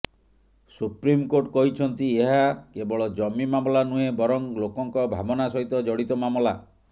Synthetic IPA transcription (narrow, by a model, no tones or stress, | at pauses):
supɾimkoʈkɔɦit͡ʃʰɔnt̪ieɦakebɔɭɔd͡ʒɔmimamɔlanuebɔɾɔŋlokɔŋkɔbʱa̰bɔnasɔɦit̪ɔd͡ʒɔɽit̪ɔmamɔla